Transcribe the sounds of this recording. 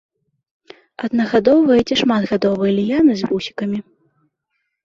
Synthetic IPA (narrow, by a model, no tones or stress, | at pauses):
ɐd̪̚nɐɣad̪ɔwvɐjɛt͡sʲɛʂmad̪ɣad̪ɔvɨjɐlʲijanɨzʲvusʲi̥kɐmʲi